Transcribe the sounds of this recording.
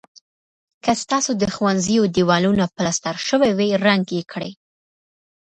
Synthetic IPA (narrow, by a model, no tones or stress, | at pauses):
kast̪ɑsod̪əxwanzijod̪iwɑlunapəlast̪aɾʃəweweɾaŋɡjekʰɽəj